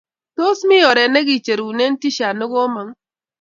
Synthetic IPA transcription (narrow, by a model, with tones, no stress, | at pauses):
to˦smɪ˦jɔ˨ɾɛ˨nɛ˦ɡi˨t͡ʃe˨ɾu˨ne˦n˦ti˦ʃa˨nʊ˦ɡo˦ma˨˦ŋ